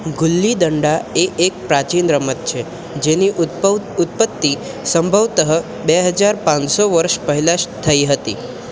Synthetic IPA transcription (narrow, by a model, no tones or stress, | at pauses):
ɡʊlːid̪əɳɖaeʔek̚pɾat͡ʃinɾəmət̪̚t͡ʃʰe | d͡ʒeniʊt̪̚pət̪ːi | səmbʱəʋt̪əɦə | beɦəd͡ʒaɾpãnsoʋəɾʃpəɦilaʃt̪ʰəiɦət̪i